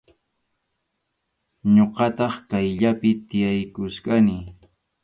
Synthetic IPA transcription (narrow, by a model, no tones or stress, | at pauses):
ɲoqɑt̪ɑχkajʎapɪt̪ɪjajkʊʃkanɪ